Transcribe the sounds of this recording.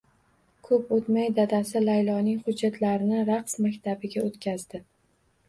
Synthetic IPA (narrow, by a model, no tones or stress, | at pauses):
kʰɵpot̪majd̪ad̪asɪlajlˠɒnɪŋχʊd͡ʒːat̪ʰlaɾɪnɪɾaqsmakʲt̪ʰabɪɡʲaot̪kʲʰazd̪ɪ